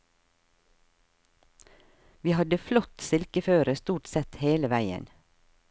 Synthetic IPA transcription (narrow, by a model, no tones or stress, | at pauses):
ʋiːhɑd̪əflɔt̪sɪlkəføːɾəst̪uːʈsɛt̪heːləʋæɪə̰n